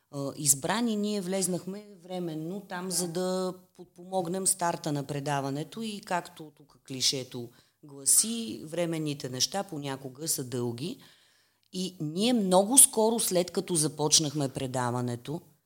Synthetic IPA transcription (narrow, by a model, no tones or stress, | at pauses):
izbɾaniniɛvlɛznəxmɛvɾɛmɛnːot̪amzɐd̪əpot̪̚pomɔɡnɛmst̪aɾt̪ənɐpɾɛd̪avɐnɛt̪oikakt̪ot̪ukə̥kliʃɛt̪o | ɡlˠɐsivɾɛmɛnːit̪ɛnɛʃt̪aponʲakʊɡəsɐd̪ɤlˠɡʲi | iniɛmnɔɡʊskɔɾʊslɛt̪kɐt̪ɔzɐpɔt͡ʃnəxmɛpɾɛd̪avɐnɛt̪o